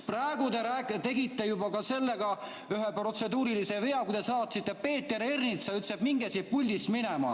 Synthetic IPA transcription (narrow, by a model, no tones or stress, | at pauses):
præeɡut̪eɾæːkt̪e̞ɡit̪ːe̞jubɑkɑse̞lːe̞ɡɑ | yɦepro̞t̪se̞d̪uːɾilise̞ve̞ɑkujd̪esɑːt̪ˑsit̪ˑːepe̞ːt̪ːˑeɾernit̪sɑyt̪ːseb̥miŋɡesipulʲːisminemɑ̰